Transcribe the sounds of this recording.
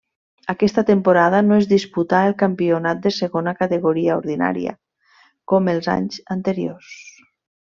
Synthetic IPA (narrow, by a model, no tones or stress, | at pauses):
akɛst̪at̪empoɾaðanoezðisput̪aelˠkampionat̪̚d̪eseɣonakat̪eɣoɾiaoɾðina̰ɾḭa̰ | komelˠza̰ɲzant̪eɾios